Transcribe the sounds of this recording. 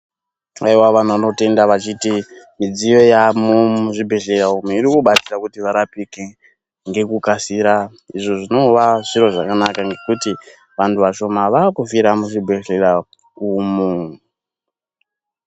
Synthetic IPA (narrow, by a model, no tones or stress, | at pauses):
aiwaʋan̤uano̞te̞ndaʋat͡ʃitimid͡zijo̞jamumuʐibʱeɮe̞raumuiɾikuɓat͡sirakutiʋaɾapike | ŋɡe̞kukasiːɾa | iʐo̞ʐino̞ʋaʐiɾo̞ʐakanakaŋɡe̞kuti | ʋantʰuʋaʃo̞maʋakufiɾamuʐibʱeɬera | kumu